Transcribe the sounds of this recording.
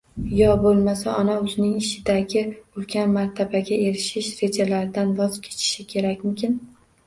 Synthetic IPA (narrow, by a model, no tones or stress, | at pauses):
jɒbolˠmasaɒnaʊzɪnɪŋɪʃɪd̪aɡʲɪʊlˠkʲʰanmaɾt̪ʰabaɡʲae̞ɾɪʃɪʃɾe̞d͡ʒalaɾɪd̪anvɒzkʲʰet͡ʃʰɪ̥ʃɪkʲʰe̞ɾakʲmʊmkʲʰɪn